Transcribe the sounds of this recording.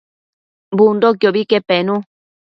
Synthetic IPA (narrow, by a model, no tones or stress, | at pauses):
bund̪ok̬joβikepenũ